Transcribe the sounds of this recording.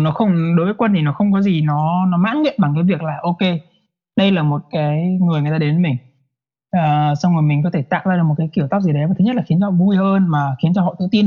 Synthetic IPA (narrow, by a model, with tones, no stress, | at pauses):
nɔ˨˦xə˧wŋ͡mɗo˨˦jvəː˨˦kwə˧nt̪ʰi˨˩nɔ˨˦xə˧wŋ͡mk̬ɔ˨˦zi˨˩nɔ˨˦nɔ˨˦ma̰ː˧˥nŋḭ˧˨mɓa˨˩ŋkaː˨˦jvi˨˩ək̚laː˨˩ʔo˧ke˧ | ɗə˧jlaː˨˩mo˨˩t̚kaː˨˦jŋɨ˨˩jŋɨ˨˩t̪aː˧e˨˦nmï˨˩ŋ̟ | ʔəː˨˩swŋ͡mo˨˩jmï˨˩kɔ˨˦t̪ʰe˧˩t̪a̰ː˧˨wzaː˧ɨ˨˩k̚mo˨˩tkaː˨˦jki˧˩əwt̪aː˦˥p̚zi˨˩ɗə˨˦jva˨˩t̪ʰɨ˦ɲ˦˥tlːxi˨˦ənt͡ɕɔ˧hɔ̰˧˨vu˧jʔəː˧nmaː˨˩xi˨˦ənt͡ɕɔ˧hɔ̰˧˨t̪ʰɨ̰˧˨t̪i˧n